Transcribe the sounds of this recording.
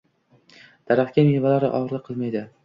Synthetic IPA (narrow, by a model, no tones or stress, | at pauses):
d̪̥aɾaχt̪̚kʲamivalaɾɪ̰ʔɒʁɾlɪqʰɨlˠmajd̪ɪ